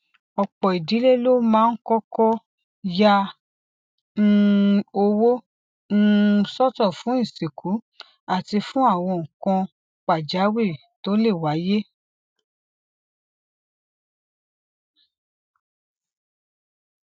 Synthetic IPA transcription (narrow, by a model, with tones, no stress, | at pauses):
ɔ˧k͡pɔ˨i˨di˨˦le˦lo˦mãː˦˧n̩˦kɔ˦kɔ˦ | ja˧˦ | o˧wo˦ | n̩ː˦˧sɔ˦tɔ˦˨fũ˨˦ĩ˦˨se˨kʰu˨˦ | a˦˨ti˧fũ˦a˦˨w̃ɔ̃˧ũ˨kã˧ | k͡pa˨d͡ʒa˨˦we˦˨ | to˦le˦˨wa˨˦je˦